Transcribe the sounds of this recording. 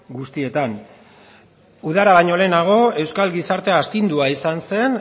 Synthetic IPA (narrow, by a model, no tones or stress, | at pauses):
ɡust̪ie̞t̪an | uðaɾaβaɲo̞le̞ːnaɣ̞o̞e̞wskalɡisaɾt̪eaːst̪ind̪uaisanse̞n